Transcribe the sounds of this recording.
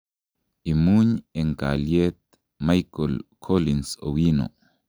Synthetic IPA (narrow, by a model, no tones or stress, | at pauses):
ʔimuɲɛŋka̰ljet̪̚ | majkɔlkʰolinso̰wino̰